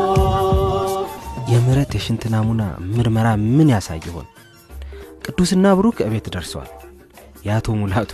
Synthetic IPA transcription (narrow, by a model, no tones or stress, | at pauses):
jɛmɨɾət̪jɛʃɪnt̪ʰɨnamuna̰mɨɾməɾamɨnjasa̰jːɪho̞̰n | kʼɨd̪ːusɨnːaβɨɾukʰəɨβe̞t̪d̪əɾswa̰l | jat̪ʰo̞mulat̪ʰ